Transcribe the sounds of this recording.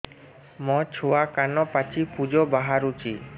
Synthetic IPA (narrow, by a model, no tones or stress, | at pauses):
mɔ̃t͡ʃʰoakanɔpat͡ʃʰipud͡ʒɔbaɦaɾut͡ʃʰi